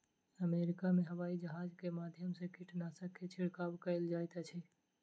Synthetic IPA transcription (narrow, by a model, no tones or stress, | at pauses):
əmeɾɪkamẽɦəʋaːid͡ʒəɦaːd͡ʒkemaːd̪ʱjəmsekiʈnasəkʰet͡ʃʰɪɽkabkəɪld͡ʒaːjt̪at͡ʃʰɛ